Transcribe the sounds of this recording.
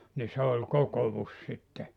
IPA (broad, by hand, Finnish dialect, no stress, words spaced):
ni se olʲ kokoʋus sitːe